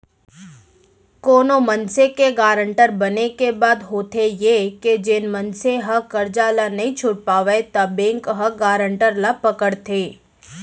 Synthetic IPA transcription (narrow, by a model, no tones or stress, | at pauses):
koːnomənsekeɡaːɾəɳʈəɾbɐnekebaːd̪ɦoːt̪ʰejeked͡ʒɪnmənseɦɐkəɾd͡ʒaːlanɐɦĩt͡ʃʰʊɽpaːʋet̪abẽːŋkɦɐɡaːɾəɳʈəɾlapəkəɽt̪ʰeː